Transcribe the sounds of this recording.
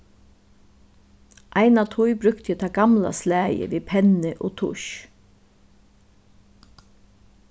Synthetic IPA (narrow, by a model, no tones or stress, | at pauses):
ʔaɪnat̪ʰʊjbɾʏkt̪jət̪ʰaːɡamla̰slæːjə̰ʋiːpʰɛnɪʔoːt̪ʰʊ̰ʃ